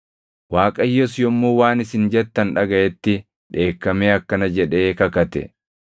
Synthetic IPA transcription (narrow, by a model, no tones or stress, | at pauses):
waːkʼɐjːɔsjɔmːuːwaːnɪsɪnd͡ʒɛt̪ːɐnᶑɐɡɐʔɛt̪ːɪ | ᶑe̞ːkːɐmeːɐkːɐnɐd͡ʒɛᶑe̞ːkɐkɐt̪ɛ̰